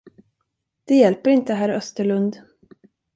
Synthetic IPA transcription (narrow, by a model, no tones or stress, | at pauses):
d̪̥ɛjɛlpəɾɪnt̪əɦæːɾœst̪əɭɵnd̪